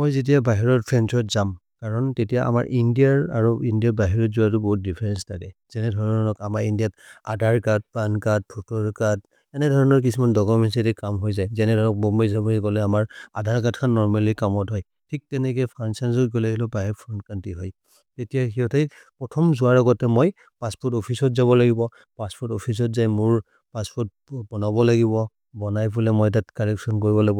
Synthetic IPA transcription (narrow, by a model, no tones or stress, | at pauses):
mɔjzet̬iabaɦiɹɔtpʰɹɛnsɔtzamkaɹɔntetijaʔa̰ma̰ɹʔindiaɹa̰ɹuindijatbaɦiɹɔzuatʊbɔɦut̚dipʰɛɹɛnstʰakɛz̥ɛnɛdʱɔɹɔnɔnɔkamaɹindijatadʱaɹkat̚pankat̚pʰutɔɹkad̚ | ɛnɛdʱɔɹɔnɔɹk̬isumandɔkɔmɛnsetikamɦojzajzɛnɛdʱɔɹɔk̚bɔmɔjzabɔikɔlɛamaɹadʱaɹkatkʰanːɔɹmalikamɔtɦɔj | tʰik̚tɛnɛkɛpʰɹansanzɔtɡɔlaɡilɔpaɦɛpʰɹɔntkantiɦɔj | tetijaxiɦɔtʰej | pɹɔtʰɔmzʊaɹɔɡɔtɛmɔj | paspɔɹtɔpʰisɔtzaβɔlaɡibɔ | paspʰɔɹtɔpʰis̬ɔtzajmʊɹ | paspɔɹt̚ | bɔnabɔlaɡibɔ | bɔnajbulɛmɔjtatkalɛksɔnkoɹibɔlaɡibɔ